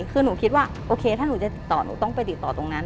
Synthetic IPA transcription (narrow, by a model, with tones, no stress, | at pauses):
kʰɯː˧nuː˩˦kʰi˦˥t̪̚waː˥˩ | ʔoː˧kʰeː˧t̪ʰaː˥˩nuː˨˩˦t͡ɕa˨˩t̪i˨˩t̪ːɔː˨˩nṵː˩˦t̪ɔ˥˩ŋpa˧jt̪i˨˩t̪ːɔː˨˩t̪o˧ŋna˦˥